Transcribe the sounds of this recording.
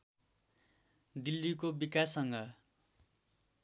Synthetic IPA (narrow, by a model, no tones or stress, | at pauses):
d̪ilːikobikasʌŋɡʌ